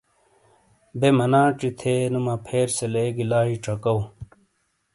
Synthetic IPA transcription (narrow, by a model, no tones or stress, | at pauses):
bemɐnãːʈ͡ʂit̪ʰeːnumapʰeːɾseleːɡilaːɦiʈ͡ʂʰɐkɐw